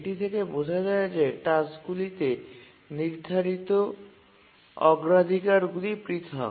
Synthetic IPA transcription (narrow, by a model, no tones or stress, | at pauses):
ʈit̪ʰekebod͡ʒʱad͡ʒaed͡ʒeʈaskulit̪e | niɾd̪ʱaɾit̪o | ɔ̰ɡɾad̪ʱikaɾɡulipɾit̪ʰɦɔ̰